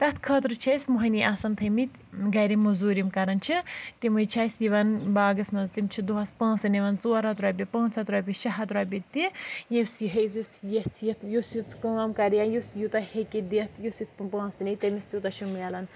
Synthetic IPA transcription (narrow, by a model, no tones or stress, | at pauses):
t̪ɐt̪ʰkʰɐt̪ɾɨt͡ʃʰesmuɦɐniʔasɐnt̪ʰɐmit̪ | ɡɐɾimːɐzuːɾimkɐɾɐnt͡ʃʰit̪imujt͡ʃʰaːsiʋɐnbaːɡɐsmɐnzt̪imt͡ʃʰid̪uɦɐspãːnt͡siniʋɐnt͡soːɐɾɐt̪ɾɐpʲipɐ̃ːnt͡sʰɐt̪ɾɐpʲiʃɐɦɐt̪ɾɐpʲit̪ijesjiɦeusjeht͡sʰjit̪jusit͡skɐːamkɐɾijanjusjut̪ɐhekid̪et̪ʰjusit̪̚ʰppãːt͡sinit̪ɐmist̪ut̪ɐʃumalɐn